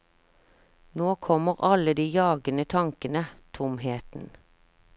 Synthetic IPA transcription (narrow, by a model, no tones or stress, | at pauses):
noːkʰɔməʁɑləd̪iːjɑːɡənət̪ʰɑŋkənət̪ʰʊmheːt̪n̩